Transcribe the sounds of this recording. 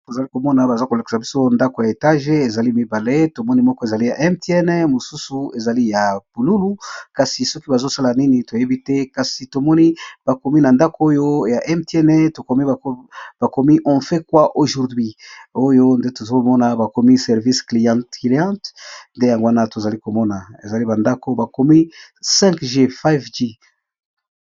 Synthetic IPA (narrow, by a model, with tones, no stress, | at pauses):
to˨za˨li˦ko˨mɔ˦na˨ba˨za˦ko˨la˨ki̥˨sa˨bi˦so˦nda˦ko˨ja˨e˨ta˦ʒe˦e˨za˨li˦mi˦ba˨le˦to˨mɔ˦ni˦mɔ˦kɔ˦e˨za˨li˦ja˨ʔɛ˦mti˦ɛ˦nɛ˦mo˨su˦su˨e˨za˨li˦ja˨b̥u˨lu˦lu˦ka˨si˨sɔ˦ki˦ba˨zo˦sa˦la˨ni˦ni˨to˨je˦bi˦tɛ˦ka˨si˨to˨mɔ˦ni˦b̥a˨ko˨mi˦na˨nda˦ko˦o˦jo˦ja˨ʔɛ˦mtɛ˦nɛ˦to˨ko˨mi˦˨b̥a˨ko˨mi˦ʔɔ̃˨fe˦kwa˦ʔo˨ʒu˨ʁdwi˦o˦jo˦nde˦to˨zo˦mɔ˦na˨ba˨ko˨mi˦sɛ˨ʁvi˦skli˨jã˦tli˦ã˦tnde˦ja˨ŋɡo˦a˦na˦to˨za˨li˦ko˨mɔ˦na˨ḛ˨za˨li˦ba˨nda˦ko˦ba˨ko˨mi˦sɛ̃˦ŋkʒe˦fa˦vde˦